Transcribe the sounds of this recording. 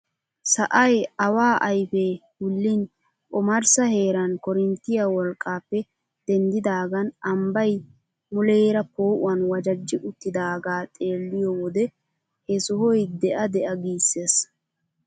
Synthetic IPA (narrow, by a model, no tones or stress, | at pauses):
sɐʔɐjɐwaːʔɐjfeːhʊlːɪn | kʼɔmɐɾsɐhe̞ːɾɐnkɔɾɪnt̪ːɪjɐwɔlkʼːaːpːɛ | d̪̥ɛnd̪ɪd̪aːɡɐnɐmbɐj | mʊleːɾɐpoːʔʊ̰ɐnwɐd͡ʒɐd͡ʒːɪʔʊt̪ːɪd̪aːɡaːt̪ʼe̞ːlːɪjɔwɔd̪ɛ | hɛsʊhɔjd̪ɛʔɐd̪ɛʔɐɡiːsːeːs